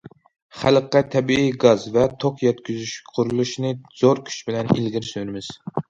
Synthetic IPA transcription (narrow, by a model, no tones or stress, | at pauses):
χæləqːɛt̪ʰɛbiiɡɑzvɛt̪ʰoqjɛt̪kʲyzyʃqʰʊɾulˠuʃnɨz̥oɾkʲʰy̥t͡ʃbɪlɛnḭlɡʲiɾsøɾɪmɪz̥